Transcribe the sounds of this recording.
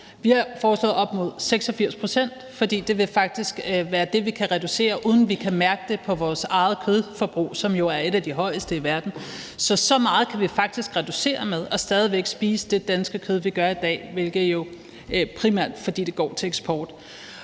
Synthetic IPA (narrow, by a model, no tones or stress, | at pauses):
ʋihɑ̈fɒːslɔ̰ːð̩ˠɒ̽b̥mo̝ð̞̰ˠseɡ̥sɒ̽fiɐ̰spʰʁo̝sen̰d̥fɒ̽d̥ḭːd̥e̝ʋe̝fɑ̈ɡ̥̚d̥isɡ̥ʋæːɐd̥e̝ʋikʰæʁɛd̥use̝̰ːɐʔuːð̞ˠn̩ʋikʰæmæɐɡ̥əd̥e̝pʰɒ̽ʋɒːsɑ̈ɪð̞̩ˠkʰøð̞ˠfɒb̥ʁṵːsɒ̽mjo̝æɐe̝ɾ̥æd̥iɦɒ̽ɪ̰əsd̥əiʋæɐd̥n̩ | sɒ̽sɒ̽mɑ̈ːð̞̩ˠkʰæʋifɑ̈ɡ̥̚d̥isɡ̥ʁɛd̥use̝̰ːɐmeð̞ˠɒ̽sd̥ɛːð̞ˠiʋeɡ̥sb̥iːsəd̥e̝d̥ænsɡ̥əkʰøð̞ˠʋiɡ̥ɶɐid̥ɛ̰ːʋe̝lɡ̥ð̩ˠjo̝ | pʰʁimæɐ̰d̥fɒ̽d̥ḭːd̥e̝ɡ̥ɒ̰ːt͡sʰe̝leɡ̥sb̥ɒːd̥